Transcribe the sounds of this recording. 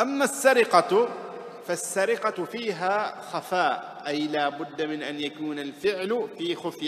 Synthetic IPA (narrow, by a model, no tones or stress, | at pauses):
ʔamːasːaɾɪqɑ | fasːaɾɪqɑfiːɦaːxafaːʔʔajlaːbʊd̪ːamɪnʔanjakuːnalfɪʕlfiːxʊfja